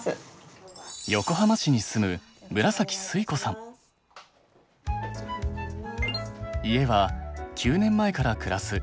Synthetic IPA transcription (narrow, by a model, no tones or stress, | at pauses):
jo̞ko̞ɦamaɕiɲ̟isɨmɯ̟ | mɯ̟ɾasakʲi̥sɨiko̞sãŋ | ie̞βakʲʰɨːnẽ̞mːae̞kaɾakɯ̟ɾasɨ